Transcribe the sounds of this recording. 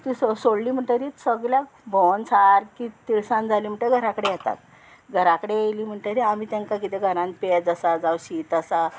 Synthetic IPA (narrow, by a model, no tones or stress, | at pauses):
t̪ĩssoɽliːm̤əɳʈ̪əɾiːsəɡlja | bʱont͡sʰaɾkit̪iɭsãnd͡zʱaliːm̤əɳʈ̪eɡʱəɾakəɽejɛt̪a̰t̪ | ɡʱəɾakəɽejeliːm̤əɳʈəɾiam̤iːt̪aŋkakit̪eɡʱəɾãn̚ped͡zəsad͡zawɕiːt̪əsa